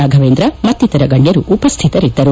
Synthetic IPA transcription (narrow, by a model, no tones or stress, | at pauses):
aːɡʱɐʋeːnd̪ɾɐmɐt̪ːit̪ɐɾɐɡɐɳjɐɾuʔupɐst̪ʰit̪ɐɾid̪ːɐɾu